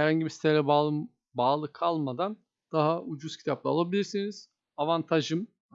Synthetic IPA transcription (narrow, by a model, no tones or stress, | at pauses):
hæɾhaɲɟibisi̥t̪ʰelʲɛ | baːlˠɯkʰalˠmad̪an | d̪̥aɦaʔud͡ʒuz̥cʰi̥t̪ʰap̚lˠa̰alˠabilʲiɾsiniz̥ | avant̪ʰaʒɯm